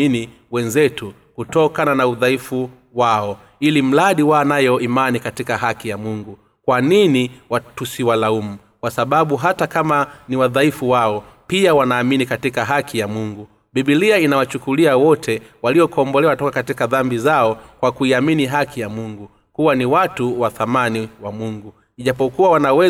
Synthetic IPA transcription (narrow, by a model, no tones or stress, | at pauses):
ini | wɛnzɛtu | kutɔkananauðaifu | waɔ | ilim̩laɗiwanajɔimanikatikaɦakijamuŋɡu | kwaniniwatusiwalaumu | kwasaɓaɓuɦatakamaniwaðaifuwaɔ | piawanaːminikatikaɦakʰijamuŋɡu | ɓiɓiliainawat͡ʃukuliawɔtʰɛwaliɔkɔmbɔlɛwatɔkakatikaðambizaɔkwakuiaminiɦakʰijamuŋɡu | kuwaniwatuwaθamaniwamuŋɡu | iʄapɔkuwawanawɛ